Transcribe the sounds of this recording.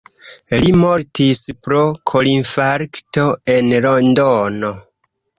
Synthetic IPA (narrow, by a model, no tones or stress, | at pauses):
limoɾtispɾokʰolinfaɾkto̞e̞nlondono